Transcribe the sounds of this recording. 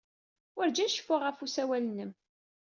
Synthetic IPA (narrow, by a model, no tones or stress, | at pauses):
wəɾd͡ʒæʃə̥fːʊʁəfusæwælənːəm